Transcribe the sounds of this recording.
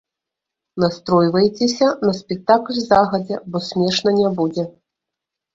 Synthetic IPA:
nast̪ɾɔjvɐjt͡sʲesʲɐnɐsʲpʲɛk̚t̪aklʲzaɣɐd͡zʲɛbɔsʲmʲɛʂnɐnʲabud͡zʲɛ

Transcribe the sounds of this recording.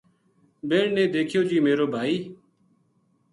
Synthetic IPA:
beːɳnẽːd̪eːkʰɪjoːd͡ʒiːmeːɾoːbʱaːiː

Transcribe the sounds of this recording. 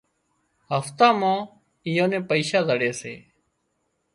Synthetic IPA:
ɦəft̪ãːmãː | ijõːnẽːpəiːʃaːzəɽeːsḛː

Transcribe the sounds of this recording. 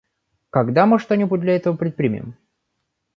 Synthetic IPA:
kɐɡd̪amɨʂt̪onʲɪbut̚ʲd̪lʲɐɛt̪əvəpɾʲɪt̪̚pɾʲɪmʲɪ̰ɪ̰m

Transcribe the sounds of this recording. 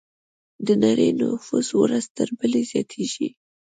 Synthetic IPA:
d̪ənaɾəjna̰fuswɾaz̥t̪əɾbəlezjɑt̪ʰeʒi

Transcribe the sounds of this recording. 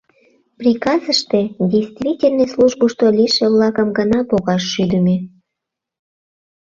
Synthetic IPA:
prʲikɑzəʃt̪edʲejst̪vʲitʲelʲnojslˠuʒboʃt̪olʲiʃeβlɑkəmɡənɑpoɣɑʃːyd̪əmʲe

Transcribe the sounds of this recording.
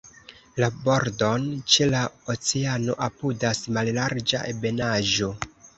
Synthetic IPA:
labo̞ɾdo̞nt͡ʃe̞laot͡seano̞̰ʔapudasmallaɾd͡ʒa̰ʔebe̞naʒo̞

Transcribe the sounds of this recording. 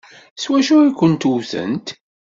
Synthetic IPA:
swæʃʊɾikʷːənt̪uθə̰̃nt̪

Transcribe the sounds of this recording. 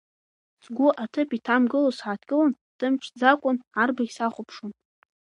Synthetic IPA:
sɡʷʊʔatʰɨpitʰamɡɨlosħaːtʰkʼɨlon | d̥ɨmʈ͡ʂʷʰd͡zakʷʼʊnarbaɡʲsaχʷʊpʰʂon

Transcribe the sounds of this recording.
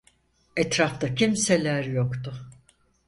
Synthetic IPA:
ɛt̪ɾaft̪acʰimselʲæɾjokt̪ʊ

